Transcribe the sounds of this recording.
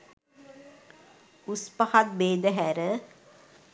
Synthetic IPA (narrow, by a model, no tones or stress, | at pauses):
uspəhat̪̚beːd̪əɦæɾə